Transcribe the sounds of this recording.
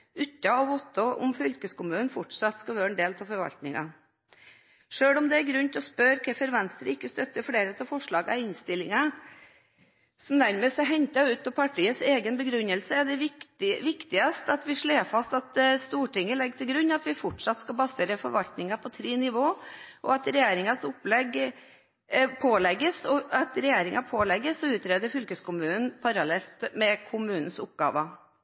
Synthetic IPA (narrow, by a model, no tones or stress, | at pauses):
ʉt̪ːɑɔʋɔt̪ːɔʔʊ̰mfʏlkəskʊmʉːn̩fɔʈʂɑt̪ːskɑʋøːɾɛnd̪eːlt̪ʰɑfɔɾʋɑ̰lt̪nɪŋɑ̰ | ʂøːɽɔmd̪ɛæɾɡɾʉnt̪ʰɔspœɾkʰɛfəɾʋɛnst̪ɾəɪkːəst̪œt̪ːəfɽeːɾət̪ʰɛlfɔʂɭɑːɡɑ̰ɪnst̪ɪlːɪŋɑ | sɔmd̪æɾmeːsɛɦɛɲt̪ɑʉːt̪̚pɔpʰɑʈʰiːəseːɡənbəɡɾʉnːəlsəɛɖɛɪʋɪkt̪ɪɑst̪ɑt̪ʋɪʂɭeːfɑst̪ɑt̪st̪uːʈɪŋːəlɛɡːt̪ʰɪlɡɾʉnːɑt̪ʋɪfɔʈʂɑt̪ːskɑbɑseːɾəfɔɾʋɑlt̪nɪŋɑpʰɔt̪ʰɾeːnɪʋoːʔɔ̰ɑt̪ɾɛjeːɾɪŋɑsʊplɛɡ | pʰoːlɛɡːəsɔɑt̪ɾɛjeːɾɪŋʔɑpʰoːlɛɡəsɔʉːt̪ɾeːd̪əɾfʏlkəskʊmʉːnn̩pʰɑɾɑlɛlt̪mɛkʰʊmʉːnn̩sʊp̚ɡɑ̰ːʋə